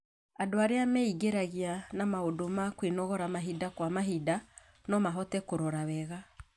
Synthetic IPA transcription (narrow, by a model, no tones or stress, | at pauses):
adoaɾeamɛiɡeɾaɣianamaodomakwinɔɣɔɾamaɦidakwamaɦida | nɔmaɦɔtɛkoɾɔɾawɛɣa